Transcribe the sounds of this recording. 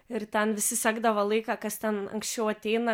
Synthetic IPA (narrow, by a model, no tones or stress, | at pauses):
ɪɾt̪ʲɛnʋʲɪsʲɪsʲɑːɡd̪ɐʋɐlˠɐɪkɑːkɐst̪ʲɛnɐ̰ŋksʲt͡ʃʲɛʊɐt̪ʲɛɪnɐ